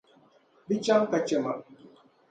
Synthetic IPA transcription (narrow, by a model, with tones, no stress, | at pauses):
bi˦t͡ʃa˦ŋka˨t͡ʃɛ˨ma˨